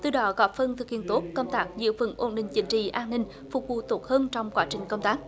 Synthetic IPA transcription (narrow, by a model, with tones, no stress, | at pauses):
t̪ɨ̰˧˨ɗɔ˨˦ɣɔ˨˦˥fə˧nt̪ʰɨ˨˩k̚hḭ˧˨ənt̪o˦˥t̚kə˧wŋ͡mt̪aː˦˥k̚zɨ̰˧˥əfɨ˧˩nʔo˧nɗï˨˩ŋ̟t͡ɕï˨˦ŋ̟t͡ɕḭ˧˨ʔaː˧nːï˧ŋ̟ | fʊ˨˩k͡p̚vṵ˧˨˩t̪o˨˦˥t̚həː˧nt͡ɕɔ˧wŋ͡mkwaː˨˦t͡ɕï˨˩ŋ̟kə˧wŋ͡mt̪aː˦˥k̚